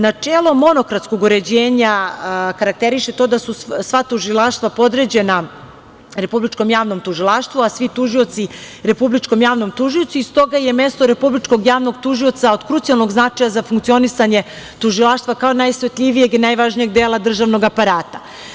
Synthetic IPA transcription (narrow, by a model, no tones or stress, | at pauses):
nat͡ʂeːlˠomo̞no̞kɾat̪sko̞ɡoɾe̞d͡ʑeːɲakaɾak̚t̪eɾiʃe̞t̪o̞d̪asusʋat̪uʒilˠaːʃt̪ʋapo̞d̪ɾe̞d͡ʑe̞na | ɾe̞publit͡ʃko̞mjaːʋno̞mt̪uʒilˠaːʃt̪ʋuasʋit̪uʒio̞t̪si | ɾe̞publit͡ʃko̞mjaːʋno̞mt̪uʒio̞t̪siist̪o̞ɡaje̞me̞st̪o̞ɾe̞publit͡ʃko̞ɡjaːʋno̞ɡt̪uʒio̞t̪saod̪kɾut̪sijalno̞ɡznat͡ʂajazafuŋkt̪io̞nisaɲe̞ | t̪uʒilaʃt̪ʋakaonajsʋet̪ʎʲiʋije̞ɡinajʋaʒnijeɡ̚d̪eːlˠad̪r̩ʒaʋno̞ɡapaɾaːt̪a